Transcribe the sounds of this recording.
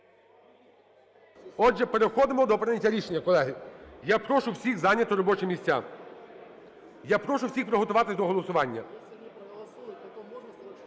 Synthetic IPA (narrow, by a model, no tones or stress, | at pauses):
ɔʒɛpeɾexɔd̪ɪmɔd̪ɔpɾɪnʲɐtʲːɐɾʲiʃenʲːɐkɔlˠɛɦɪjapɾɔʃʊwsʲixzɑnʲːɐt̪ʊɾɔbɔt͡ʃɛmʲisʲtʲːa̰ | japɾɔʃʊwsʲixpɾɔɦɔt̪ʊʋɑt̪ɪzd̪ɔɦɔlˠɔsʊʋɑnʲːɐ